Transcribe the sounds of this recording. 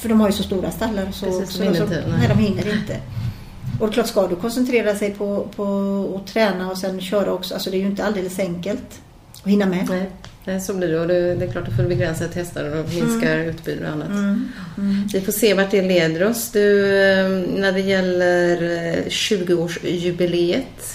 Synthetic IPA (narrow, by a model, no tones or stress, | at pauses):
fœɖɔmhaɾjɵsɔst̪uːɾast̪alːaɾɔsɔɔksɔnɛd̪ɔmhɪnːəɾɪnt̪ʰə̰ | ɔd̪ɛkʰlɑːʈːskad̪ɵkʰɔnsɛnt̪ʰɾeːɾasɛjpʰɔpʰɔːt̪ʰɾɛːnaɔsɛnɕœːɾaɔksɔalsɔd̪ɛːjɵɪnt̪əald̪eːləsɛŋkəlt̪ | ɔhɪnːamɛnɛnɛsobliɖɛɔd̪ɵd̪ɛklɑːʈ̚ːd̪ɵfoːd̪bɛɡɾɛnsat̪ʰɛst̪aɾɛɔmɪnskaɾʉ̟ːt̪by̰ːd̪ə̰ɾ̰a̰nːa̰t̪ | vɪfoːʂeːvaʈɖɛleːd̪əɾɔsd̪ɵ | næɖɛjɛlːəɾɕʉ̟ːɡʊoːʂjʉbɪleːət̪